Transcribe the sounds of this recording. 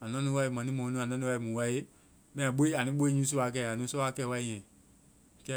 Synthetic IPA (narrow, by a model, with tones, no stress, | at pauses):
a˨nã˦nĩ˧wa˧i˨mã˨nĩ˦mɔ̃˨˦nĩ˦a˨nã˦nĩ˦wa˧i˨˦mũ˨wa˦e˦ | mɛ̃˦ã˨ɓo˦i˦a˨nĩ˦ɓo˦i˦ɲũː˦s̬u˦a˨˧k̬ɛ˧˨a˨nũː˦sɔ˦a˦kɛ˧˨wa˧i˦˨ɲɛ̃˨ | kɛ˦